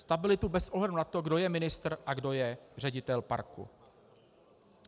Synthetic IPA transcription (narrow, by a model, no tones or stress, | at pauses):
st̪abɪlɪt̪ubɛsʔoɦlɛdunat̪o̞ɡdo̞jɛmɪnɪst̪r̩ʔaɡdo̞jɛr̝ɛɟɪt̪ɛlpa̰ɾkṵ